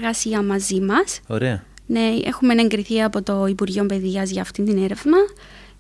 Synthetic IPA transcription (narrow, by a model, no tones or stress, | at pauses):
ɣɐsiɐmɐzimɐso̰ɾeɐ̰ne̞ḛxumene̞ŋɡɾiθiɐpo̞t̪o̞ipuɾʝiompe̞ðiɐzʝɐːft̪ind̪ine̞ɾe̞vnɐ